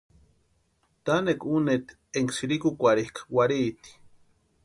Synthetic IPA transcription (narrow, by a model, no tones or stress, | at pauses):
t̪anekunet̪ | eŋksiɾikukʷaɾihkawaɾit̪i̥